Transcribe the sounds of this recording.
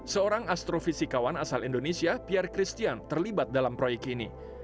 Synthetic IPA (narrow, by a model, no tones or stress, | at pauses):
səoɾaŋast̪ɾofisikawanasalindonesiapiarkɾist̪iant̪ərlibat̪̚dalampɾojɛk̚t̪inḭ